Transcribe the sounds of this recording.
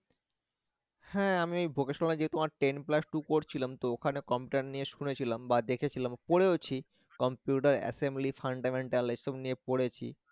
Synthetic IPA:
hɛ̃amiejbʱokeʃonaned͡ʑet̪omaɾʈenplasʈukoɾt͡ɕʰilamt̪ookʰanekɔmpjuʈaɾnijeʃunet͡ɕʰilambad̪ekʰet͡ɕʰilampoɽeot͡ɕʰi | kɔmpjuʈaɾɛ̰semblifaɳɖameɳʈalesomnijepoɽet͡ɕʰḭ

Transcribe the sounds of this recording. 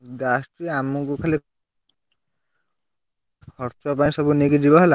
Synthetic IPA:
d̪asʈɾieamukukʰali | kʰɔɾt͡ʃɔpaĩsɔbunekid͡ʒibaɦela

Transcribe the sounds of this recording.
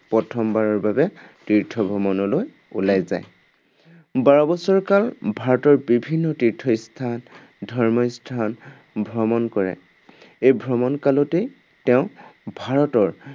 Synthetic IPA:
pɹɔtʰɔmbaɹɔɹbabɛtɹiɹtʰɔbʱɹɔmɔnɔloj | ulajza̰j | baɹɔbɔsɔɹkalbʱaɹɔtɔɹbibʱinːɔtiɹtʰɔstʰan | dʱɔɹmɔjstʰan | bʱɹɔmɔnkɔɹɛ̰ | ejbʱɹɔmɔnkalɔte | tɛʊ̃bʱaɹɔtɔɹ

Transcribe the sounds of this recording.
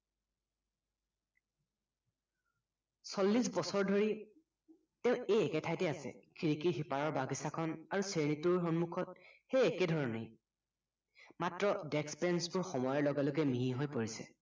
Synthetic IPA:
sɔlːisbɔsɔɹdʱoɹi | tɛʊ̃ejɛkɛtʰajtɛasɛ̰kʰiɹikiɦipaɹɔɹbaɡisakʰɔnaɹuseɹnitʊɹxɔnmukʰɔt̚xejɛkɛdʱɔɹɔnej | matɹɔdɛkspɛnsbʊɹxɔmɔjɔlɔɡalokɛmiɦiɦojpoɹisɛ̰

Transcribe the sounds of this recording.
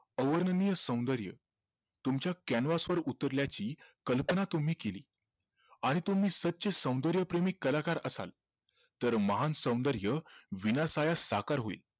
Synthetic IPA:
əʋəɾnənijəsə̃w̃nd̪əɾjə̰ | t̪umt͡ɕjakænʋasʋəɾut̪əɾljat͡ɕiːkəlpənat̪um̤iːkelḭː | aɽ̃it̪um̤iːsət̪̚ːɕesə̃w̃nd̪əɾjəpɾemiːkəlakaɾəsa̰l | t̪əɾməɦansə̃w̃nd̪əɾjəʋinasajasakaɾɦoḭːl

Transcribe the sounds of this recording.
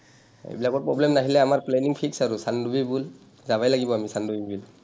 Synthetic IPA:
ḛjbilakɔɹ̚pɹɔblɛmnaɦilɛamaɹplɛniŋpʰiksaɹusandubibul | zaβajlaɡibɔamisandubibul

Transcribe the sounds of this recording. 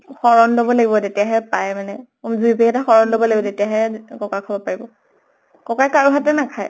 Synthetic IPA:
xɔɹɔnlobɔlaɡibɔtetijaɦɛpajmanɛ | mzuipeɛtaxɔɹɔnlobɔlaɡibɔtetijaɦɛkɔkakʰɔbɔpaɹibɔ | kɔkakaɹuɦatɛnakʰaj

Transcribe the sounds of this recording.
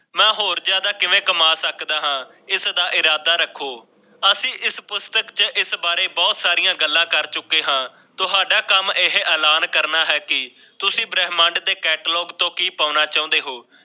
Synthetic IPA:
mɛ̃ːɦoːɾd͡ʒjaːd̪aːkɪʋẽːkəmaːsəkd̪aːɦãː | ɪsd̪aːʔɪɾaːd̪aːɾəkʰoː | əsĩːʔɪspʊst̪əkt͡ʃəʔɪsbaːɾeːbɔːt̪saːɾijãːɡəlːãːkəɾt͡ʃʊkːeːɦãː | t̪ʊɦaːɖaːkəmɪɦʔɛːlaːnkəɾnaːɦɛːkɪ | t̪ʊsĩːbɾɛːɦmãɳɖd̪eːkɛːʈːlɔːɡt̪õːkiːpaːnaːt͡ʃaːũnd̪eːɦoː

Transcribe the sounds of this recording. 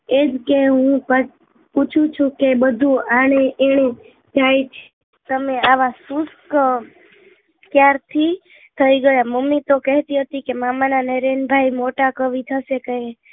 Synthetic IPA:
ed͡ʒkeɦũpə | put͡ʃʰũt͡ʃʰũkebəd̪ʱũaɽ̃eeɽ̃e | d͡ʒajt͡ʃʰe | t̪əmeaʋasusk | kjaɾt̪ʰi | t̪ʰəiɡəjaməmit̪okɛɦt̪iɦət̪ikemamananɛɾenbʱaimoʈakəʋit̪ʰəsekəɦe

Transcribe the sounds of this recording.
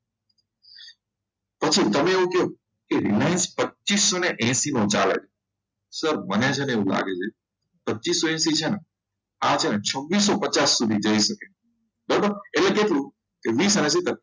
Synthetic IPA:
pət͡ʃʰit̪əmẽeõkɦo | keɾilãɪnspət͡ʃisːoneʔɛ̃simõt͡ʃalḛt͡ʃʰe | səɾmənjãt͡ʃʰeneũla̰ɡet͡ʃʰe | pətːʃisːoɛ̃ːsit͡ʃʰenə | at͡ʃʰenet͡ʃʰəʋːis̬ːopət͡ʃasːud̪ʱid͡ʒəisəke | bəɾbəɾelekeʈlũ | keʋiːsɛ̃ːsit̪əɾ

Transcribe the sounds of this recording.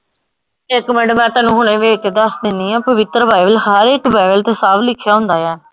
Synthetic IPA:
ɪkːmɛːɖəmɛ̃ːt̪ãːnũːɦʊɳ̃ẽːʋeːked̪əsd̪ɪnĩːɛ̃ːpəʋɪt̪ɾəbaːiʋəlhəɾɪkbɛːʋəlt̪eːsaːʋlɪkʰːjaːɦʊ̃nd̪aːjɛː

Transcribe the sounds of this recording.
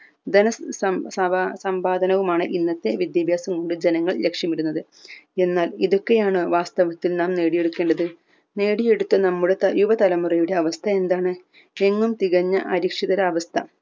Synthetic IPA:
d̪ɐnɐsɐsɐsɐmbaːd̪ʱɐnɐʋumaːɳɨʔinːɐt̪ːe̞ʋid̪jɐbʱjaːsɐmko̞ɳɖɨd͡ʑe̞nɐŋːɐɭle̞kʂjɐmiɾunːɐðɨ | e̞nːaːliðo̞kːe̞jaːɳɨʋaːst̪ɐʋɐt̪ːilnaːmne̞ːɽije̞ɽukːe̞ːɳɖɐðɨ | ne̞ːɽije̞ɽut̪ːɐnɐmːuɽe̞t̪ɐjuʋɐt̪ɐlɐmurijuɽe̞ɐʋɐst̪ʰɐe̞nd̪aːɳɨ | e̞ŋːumt̪iɣɐɲːɐʔɐɾikʂiðɐɾaːʋɐst̪ʰɐ

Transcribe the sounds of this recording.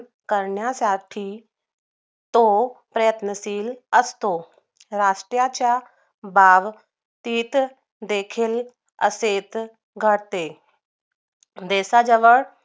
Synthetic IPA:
kəɾɳjasaʈʰiː | t̪opɾəjət̪nəsiːləst̪o | ɾaʂʈɾjat͡ɕja | baʋ | t̪iːt̪ | d̪ekʰiːl | ə̰set̪ | ɡʱəɽt̪e | d̪eːsad͡zəʋəɭ

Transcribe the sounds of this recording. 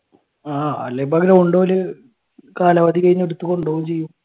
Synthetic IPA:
aːɐ̰lːebɐɡɐɾɐuɳɖoːlɨ | kaːlɐʋɐd̪ikɐɾiɲːeɽut̪ːukoɳɖoːumt͡ɕe̞jːum

